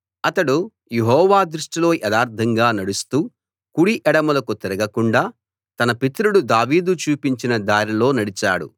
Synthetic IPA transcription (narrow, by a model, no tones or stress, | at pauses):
ɐt̪ɐɽu | jeɦɔːʋaːd̪ɾuʂʈilo̞ːʔɛd̪aːɾd̪ʰʱɐŋɡaːnɐɽust̪uː | kuɽiʔɛɽɐmulɐkut̪iɾɐɡɐkuɳɖaː | t̪ɐnɐpit̪ɾuɽud̪aːʋiːd̪ut͡ʃuːpiɲt͡ʃinɐd̪aːɾilo̞ːnɐɽit͡ʃa̰ːɽṵ